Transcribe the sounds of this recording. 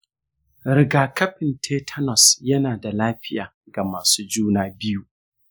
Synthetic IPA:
ɾɪ˨ɡaː˨kɐ˦ɸɪ˨ntʰeː˦tʰɐ˦nɔ˨sjɐ˦naː˨da˨laː˦ɸɪ˦jaː˨ | ɡa˨maː˨suː˦d͡ʒuː˦naː˦˨bɪ˦juː˦

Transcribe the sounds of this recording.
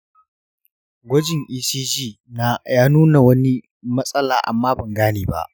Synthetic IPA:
ɡʷɔ˦d͡ʒɪ˨ŋʔiː˦siː˦d͡ʒiː˦˨ | na˦jaː˦nuː˦na˨wɐ˦ni˦ | mɐ˦sʼɐ˦laː˨ʔa̰˨mːaː˦bɐ˨ŋɡaː˦neː˨ba̰˦ʔ

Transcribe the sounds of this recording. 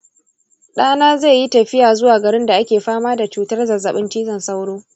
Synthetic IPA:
ɗaː˦naː˦zeː˦˨ji˦tɐ˨ɸɪ˦jaː˨zʊ˦waː˨ɡɐ˨ɽɪ˦nda˨ʔa˦kʲeː˨ɸaː˦maː˦da˨t͡ʃuː˨tɐ˦rzɐ˨zɐ˨ɓɪ˦nt͡ʃiː˦zɐ˨nsa˦wɽoː˦

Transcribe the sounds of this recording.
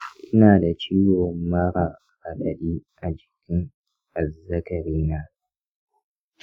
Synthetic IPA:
ʔɪ˦naː˨da˨t͡ʃiː˦wɔ˨mːa˦ɾaː˨ | ʔa˨ɗɐ˨ɗiː˦ʔa˨d͡ʒɪ˨kʲɪ˦ŋ | ʔa˨zɐ˦kɐ˨ɾiː˦naː˦

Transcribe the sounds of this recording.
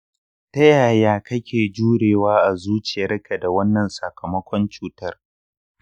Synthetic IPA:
ta˦jaː˨jaː˦kɐ˦kʲʰeː˨d͡ʒuː˦ɽeː˨waː˦ʔa˨zuː˦t͡ʃɪ˨jɐ˦rkʰa˨da˨wɐ˦nːɐ˨nsɐ˨kʰɐ˨mɐ˦kʷɔ˦nt͡ʃuː˦tɐ˦r

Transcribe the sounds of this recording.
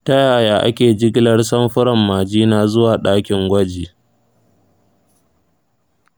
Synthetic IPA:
tɐ˦jaː˨jaː˨ʔa̰˦kʲeː˨d͡ʒɪ˦ɡʲlɐ˦rsɐ˦mɸʊ˦ɾɐ˨mːaː˨d͡ʒiː˦naː˦˨zʊ˦waː˨ɗaː˦kʲɪ˨ŋɡʷɐ˦d͡ʒiː˨

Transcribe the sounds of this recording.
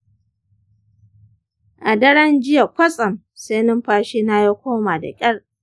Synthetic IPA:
ʔa˨dɐ˦ɽɐ˦nd͡ʒɪ˦ja˨kʷɐ˦sʼɐ˨m | se˦jnɪ˦mɸaː˦ʃiː˦na˦ja˦kʷoː˦maː˨da̰˨kʲʼɐ˦ɽ

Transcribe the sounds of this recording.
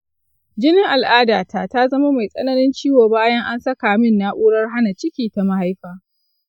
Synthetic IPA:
d͡ʒɪ˦nɪ˦ŋʔa˨lʔaː˦daː˨ta˦˨ta˦zɐ˦ma˦ma˨jsʼɐ̰˦nɐ˦nɪ˦nt͡ʃiː˦woː˨baː˦jɐ˦ŋʔa˦nsɐ˦kaː˨mɪ˦nːa˦ʔuː˦ɽɐ˦rɦa˦na˨t͡ʃɪ˦kʲiː˨ta˨ma˦ha˦jɸaː˦

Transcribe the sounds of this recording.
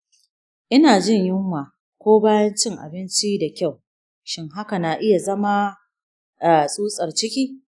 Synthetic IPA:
ʔɪ˦naː˨d͡ʒɪ˦˨ɲjʊ˦ŋːaː˨ | kʷoː˦baː˦jɐ˦nt͡ʃɪ˦ŋʔa̰˨bɪ˦nt͡ʃi˦da˨kʲa˦˨w | ʃɪ˦ŋɦa˦ka˨naː˨ʔɪ˦ja˨zɐ˦ma˦ | a˨sʼuː˦sʼɐ˨rt͡ʃɪ˦kʲiː˦

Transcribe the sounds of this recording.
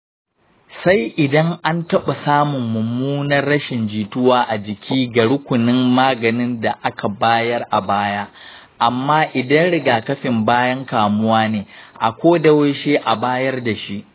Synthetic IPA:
sa˦jʔɪ˨dɐ˦ŋʔa˦ntɐ˦ɓa˨saː˦mʊ˨mːʊ˨muː˦nɐ˦rːɐ˦ʃɪ˨nd͡ʒiː˨tʊ˦waː˦ʔa˨d͡ʒɪ˨kʲʰiː˦ɡa˨ɽʊ˦kʷʊ˨nɪ˦mːaː˦ɡɐ˨nɪ˦nda˨ʔa˦ka˨baː˦jɐ˦rʔa˨baː˦jaː˦ | ʔa˨mːaː˦ʔɪ˨dɐ˦nɽɪ˦ɡaː˨kɐ˦ɸɪ˨mbaː˦jɐ˦ŋkaː˨mʊ˦waː˦neː˨ʔa̰˨kʷoː˦dɐ˦we˦ʃeː˦ʔa˨baː˦jɐ˦rda˨ʃi˦ʔ

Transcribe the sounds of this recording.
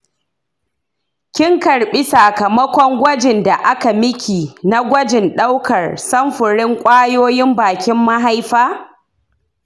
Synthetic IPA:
kʲɪ˦ŋkɐ˨ɽɓi˦sa˨kɐ˨mɐ˦kʷɔ˦ŋɡʷɐ˦d͡ʒɪ˨nda˨ʔa˦ka˨mɪ˦kʲiː˨na˦ɡʷɐ˦d͡ʒɪ˨nɗa˦wkɐ˨rsɐ˦mɸʊ˨ɽɪ˦ŋkʷʼaː˦joː˦jɪ˦mbaː˨kʲɪ˦mːa˦ɦa˦jɸaː˦

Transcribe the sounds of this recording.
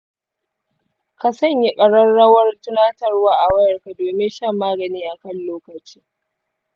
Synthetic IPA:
ka˨sɐ˦˨ɲji˦kʼɐ˨ɽɐ˦nɽɐ˦wɐ˦rtʊ˦naː˦tɐ˦rwaː˦ʔa˨wɐ˦jɐ˨rka˨doː˨mɪ˦nʃɐ˦˨mːaː˦ɡɐ˨niː˦ʔa˨kɐ˦nloː˦kɐ˨t͡ʃiː˦

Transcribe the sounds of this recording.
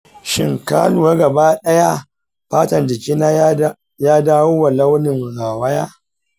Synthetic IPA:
ʃɪ̰˦˨ŋkaː˦nu˨wa˦ɡɐ˨baː˦ɗɐ˦ja˦ | ɸaː˦tɐ˨nd͡ʒɪ˨kʲɪ˦naː˦ | jaː˦daː˦woː˦wa˨la˦wnɪ˨ŋɽaː˨wɐ˦jaː˦

